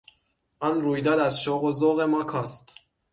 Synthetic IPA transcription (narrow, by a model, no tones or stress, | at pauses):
ʔɒːnɾuːjd̪ɒːd̪æzʃoɣozoɣemɒːkʰɒːst̪